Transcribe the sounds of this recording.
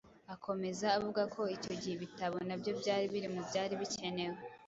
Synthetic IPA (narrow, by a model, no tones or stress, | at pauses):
akʰo̞me̞zaːvuɡakʰo̞ico̞ɟiheβitaβo̞nabjo̞bɟaːɾiβiɾimubɟaːɾiβice̞ne̞we